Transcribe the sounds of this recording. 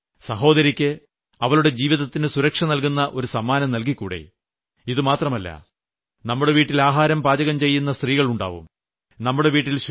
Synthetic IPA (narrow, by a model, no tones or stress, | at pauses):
sɐɦo̞ːðɐɾikʲːɨ | ɐʋɐɭuɽe̞d͡ʑiːʋiðɐt̪ːinɨsuɾɐkʂɐnɐlkunːɐʔo̞ɾusɐmːaːnɐmnɐlk̬ikːuːɽḛ | iðɨmaːt̪rɐmɐlːɐ̰ | nɐmːuɽe̞ʋiːʈːilaːɦaːɾɐmpaːd͡ʑɐɣɐmt͡ɕe̞jːunːɐst̪riːɣɐɭuɳɖa̰ːʋṵm | nɐmːuɽe̞ʋiːʈːilɕ